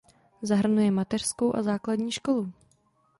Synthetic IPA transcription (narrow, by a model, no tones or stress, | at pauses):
zaɦr̩nujɛmat̪ɛr̥sko̞wʔa̰zaːkladɲiːʃko̞lu